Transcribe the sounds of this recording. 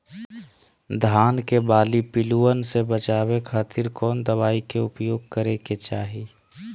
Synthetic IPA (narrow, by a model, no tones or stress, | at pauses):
d̪ʱaːnkebaːlipɪluənsebət͡ʃaːwekʰaːt̪ʰɪɾkɔːnd̪əβaːikeʊpjoːɡ̚kəɾeket͡ʃaːɦi